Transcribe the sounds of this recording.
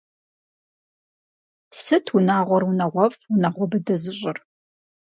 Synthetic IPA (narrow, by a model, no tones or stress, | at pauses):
sɨtʰwunaːʁʷɔrwunɐʁʷɔfunaʁʷɔbɨdɐzɨɕʼɪr